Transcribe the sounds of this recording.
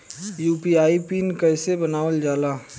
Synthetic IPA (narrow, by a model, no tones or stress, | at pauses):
juːpiaːipiːnkɛːsebənaːʋəld͡ʒaːlaː